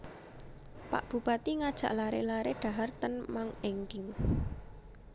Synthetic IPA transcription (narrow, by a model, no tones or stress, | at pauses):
pa̰ʔb̥ṳb̥at̪iŋad̥ʒ̥a̤̰ʔlaɾḛlaɾeɖ̥a̤ɦart̪ənmaŋeŋkɪŋ